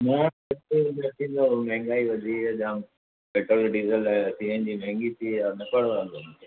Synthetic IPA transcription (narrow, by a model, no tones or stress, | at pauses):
mãː | ɐt̪ẽnd̪əɾt̪ʰĩːnd̪omɐɦɪ̃ŋɡaːiʋɐd͡ʑʱiɐʄãːm | meːʈəlɖiːzəlsiːɦə̃nd͡ʑiːmɐɦɪ̃ŋɡit̪ʰianɐkɐɽʋãːnd̪o